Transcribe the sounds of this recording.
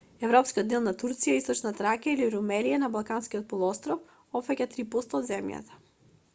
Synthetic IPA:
ɛvɾɔpskiod̪elˠnat̪uɾt̪sijaist̪ɔt͡ʃnat̪ɾakailiɾumɛlijanabalˠkanskiot̪̚pɔlˠɔɔst̪ɾɔf | ɔfɛcʲat̪ɾipɔst̪aːd̪zɛmja̰t̪ḁ

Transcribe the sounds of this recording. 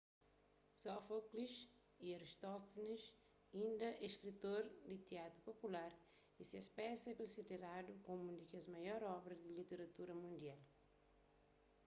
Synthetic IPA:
sɔfokliʃ | iɐɾiʃt̪ɔfniʃ | ĩnd̪ɐɛʃkɾit̪oɾd̪it̪iat̪ɾupopulaɾ | isiɐspɛsɛkõsid̪eɾad̪ukomud̪ikiɐzmɐjɔɾɔbɾɐzd̪ilit̪eɾɐt̪uɾɐmũnd̪ial

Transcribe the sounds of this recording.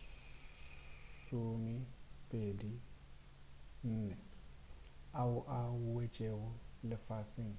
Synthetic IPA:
somɪpʼedi | n̩ːnɛ | aʊʔaʊwet͡ʃʼeɣʊlɪfasɪŋ̩

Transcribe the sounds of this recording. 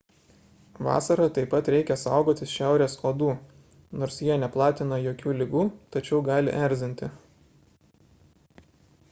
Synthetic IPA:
ʋɑ̰ːsɐɾɐt̪ɐɪpːɐt̪ɾʲɛɪkʲɛsɑˑʊɡoːt̪ʲɪsʃʲæˑʊɾʲeːsoːd̪uː | noːɾsjiɛnʲɛplˠɑːt̪ʲɪnɐjoːkʲuːlʲɪɡuːt̪ɐt͡ʃʲɛʊɡɑːlʲɪ̰ʔɛɾʲzʲɪnʲt̪ʲɪ

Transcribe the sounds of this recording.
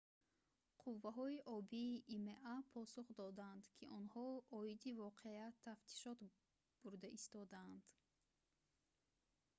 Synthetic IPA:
qʰuvːaɦɔiʔɔbiːʔːmeʔapʰɔsuχd̪ɔd̪and̪kʰiʔɔnhɔɔid̪ivɔqʰeat̪ʰːaft̪ʰi̥ʃɔt̪ | b̥uɾd̪aʔist̪ɔd̪aːnd̪̥

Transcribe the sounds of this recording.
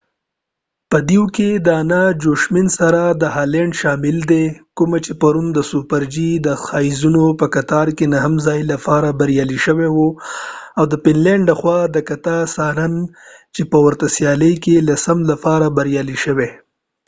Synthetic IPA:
pəd̪iwked̪əanad͡ʒoʃmɪnsaɾad̪əhalɛɳɖʃɑmɪld̪ekʊmat͡ʃepaɾund̪əsupaɾd͡ʒid̪əxɑizunopəkat̪ɑɾkenaɦamzɑjlapɑɾabaɾjɑliʃəwewo | awd̪əpɪnlɛɳɖləxwɑd̪əkat̪asɑnant͡ʃepəwaɾt̪asjɑləjkelasamlapɑɾabaɾjɑliʃəwe

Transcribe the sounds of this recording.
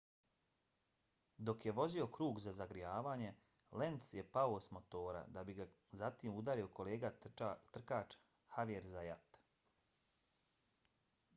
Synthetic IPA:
d̪o̞kje̞ʋo̞zio̞kɾuːɡzazaɡɾijaːʋaːɲe̞ | le̞nt̪sje̞paosmo̞t̪o̞ːɾa̰d̪abiɡa | zat̪iːmud̪aːɾio̞ko̞leːɡat̪r̩kaːt͡ʃ | haʋieɾzajat̪

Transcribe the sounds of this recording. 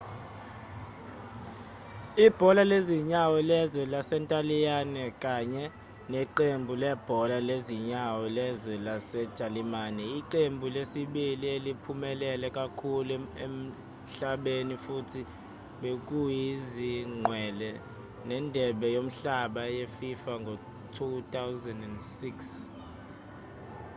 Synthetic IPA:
ib̥ʱɔlaleziɲawɛlɛzɛlasɛntʼalijanɛkʼaɲɛ | neǃembʱulɛb̥ʱɔlaleziɲawɛlɛzɛlasɛd̥ʒ̥ʱalimaːnɛiǃembʱulesiɓilielipʰumɛlɛlɛkʼakʰuluem̩ | ɬaɓenifutʰi | ɓek̬ʼujiziŋ͡ǃwɛlɛ | nɛndʱɛɓɛjom̩ɬaɓajefifaŋɡʱɔ | tʰutʰʼawzandɛndsiks

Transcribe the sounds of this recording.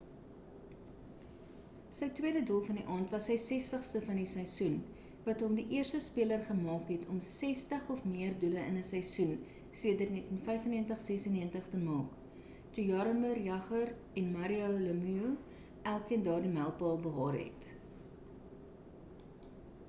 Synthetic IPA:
səjtwiədədulˠfɐndiʔɑːntvɐsəjsɛstəχstəfɐndisəjsun | vɐtɦɔmdiʔiərstəspiələrχəmɑːkɦɛtʰɔmsɛstəχɔfmiərduləənəsəjsun | siədərnɛtənfɛjfəniəntəχsɛsənːiəntəχtəmɑːk | tujɑɾəmərjɐχər | ɛnmɐɾiowləmyu | ʔælˠkiəndɑːrdimælˠpɑːlˠbəɦɑːɾɦɛ̰t

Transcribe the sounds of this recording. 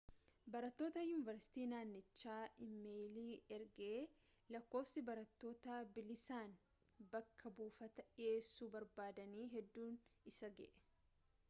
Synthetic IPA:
bɐɾɐt̪ːoːt̪ɐjʊːnɪvɐɾsɪ̥t̪iːnaːnːɪt͡ʃːaːʔɪmːeːjliːɛɾɡeː | lɐkːo̞ːfsɪbɐɾɐt̪ːo̞ːt̪abɪlɪsaːn | bɐkʰːɐbuːfɐt̪ɐᶑɪeːsːuːbɐɾbaːd̪ɐniːɦɛd̪ːuːnɪsɐɡɛ̰ʔɛ̥

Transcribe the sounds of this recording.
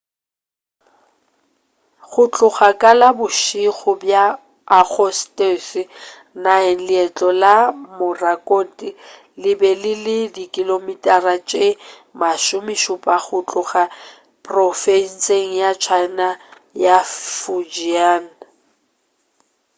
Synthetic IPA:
χʊt͡ɬʼʊχakʼalabʊʃiɣʊbjaː | k͡xɔstʼesɪ | naɛŋ̩lɪɛt͡ɬʼɔlamʊrakʼotʼi | lɪbɛlɪlɪdikʼilomitʼarat͡ʃʼe | maʃʊmɪʃʊpʼaɣʊt͡ɬʼʊχa | pʼrɔfen̩seŋ̩jat͡ʃʰaɪna | jafud͡ʒiaːn̩

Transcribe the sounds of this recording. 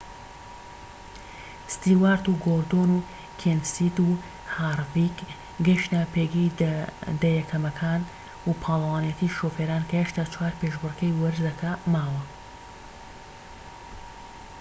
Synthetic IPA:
st̪iwaːɾt̪uːɡoɾd̪onu | kʰensit̪uː | haːrvik | ɡɐʃnaːpeɡijd̪ɐjɛkʰɐmɐkʰaːn | upʰaːlˠɐwaːnijɛt̪ʰiːʃofeːɾaːnkɐheʃt̪aːt͡ʃʰwaːɾpeʃbɨrkɐjwɐɾzɐkʰamaːwɐ

